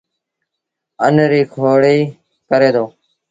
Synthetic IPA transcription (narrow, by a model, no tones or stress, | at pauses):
ənɾiːkʰoːɽiː | kəɾeːd̪oː